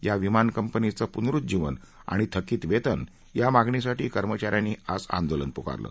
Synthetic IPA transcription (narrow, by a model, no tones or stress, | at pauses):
jaʋimankəmpənit͡səpunɾut̪̚d͡ʑiʋə̰n | a̰ɽ̃it̪ʰəkiːt̪ʋet̪ən | jamaɡɳis̬aʈiːkəɾmət͡ɕaɾjaniːasã̰nd̪olənpuka̰ɾlə̰ː